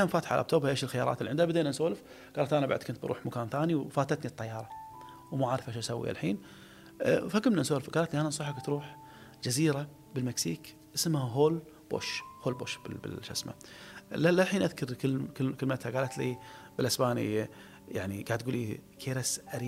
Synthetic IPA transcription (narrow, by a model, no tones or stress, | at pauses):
amfaːt̪ħaʕa̰lʔb̚t̪oːbaʔeːʃɪlxɪjɑːɾˤɑ̰t̪lːiʕɪnd̪habɪd̪eːnansoːlɪf | ɡ̥aːlat̪ʔanabaʕd̪̚kʊnt̪bɑɾṵːħmakaːnθaːniwfaːt̪at̪nit̪ˤːɑjːɑːɾˤɑ | wmaʕaːɾfʔaʃʔasawːḭʔa̰lħiːn | fakʊmnansoːlɪfɡaːlat̪liʔanansˤuːħakt̪ɾuːħ | d͡ʒaziːɾa | bɪlmɪksiːk | ʔɪsmhaɦoːl | b̥o̰ːʃhoːlbo̰ːʃbɪ̰bɪ̰ʃa̰sma̰lalalħiːnʔaðkʊɾkkkɪlmat̪haɡaːlat̪lḭbɪlʔasbaːnḭ | ja̰ʕniɡaʕd̪̚ɡuːlikʰeːɾasʔaɾiː